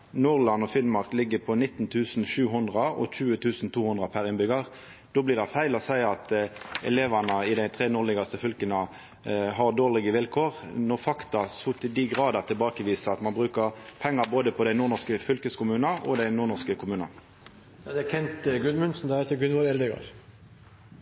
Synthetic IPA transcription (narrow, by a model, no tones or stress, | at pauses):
nuːʁlɑnɔfɪnmɑʁklɪɡːəpʰɔnɪt̪ːn̩t̪ʰʉːsn̩ʃʉːɦʊnd̪ʁɑʔɔ̰çʉːət̪ʰʉːsn̩t̪ʰuːhʊnd̪ʁəpʰæɾɪnbʏɡɑʁ | d̪̥oːblɪːʁd̪æɪfæɪlɔsæɪɑt̪ɛ̰leːʋɑnəɪd̪æɪt̪ʰʁeːnʊːʁlɪɡɑst̪əfʏlkənə | ɦɑʁd̪oːʁlɪɡəʋɪlkʰoːʁnɔʁfɑkt̪ɑsʊt̪əd̪iːɡʁɑːd̪əʁt̪ʰɪlbɑːkəʋiːsəɑt̪mɑnbʁʉːkəʁpʰɛŋːɑboːd̪əpʰɔd̪æɪnuːʁnɔʁskəfʏlkəskʊmʉːnɑʔɔ̰d̪æɪnuːʁnɔʁskəkʰʊmʉːnɑ̰n | d̪ɛkʰɛnt̪ɡʉnmʉnsn̩d̪ɛet̪əɡʉnʋɔɾɛld̪ɛɡɑ̰ɾ